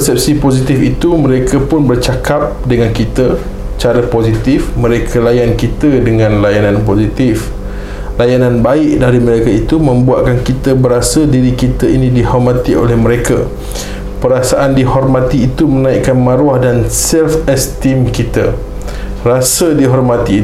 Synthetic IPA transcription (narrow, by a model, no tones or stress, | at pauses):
pəsɛp̚sipozit̪ifit̪umə̃ɾekʰapʊnbərt͡ʃakap̚dəŋankit̪a | t͡ʃaɾapozit̪ɪfmə̃ɾekʰalajankit̪ədəŋãnlajanãnpozit̪if | lajanãnbaɪʔdaɾimə̃ɾekait̪umə̃mbua̰ʔ̪̚kankit̪əbəɾasədiɾikit̪ainĩdihɔrmãt̪io̰lɛhmə̃ɾeka̰ | pəɾasaʔandihɔrmãt̪iːt̪umənaiʔkanmãɾuahdansɛlfɛst̪imkit̪a | rasədiɦɔrmãt̪iː